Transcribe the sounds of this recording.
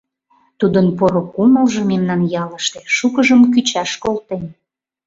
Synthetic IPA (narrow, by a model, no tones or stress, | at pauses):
t̪ud̪ənpoɾokuməlʒememnɑnjɑləʃt̪eʃukəʒəmk̬yt͡ɕɑʃkolt̪en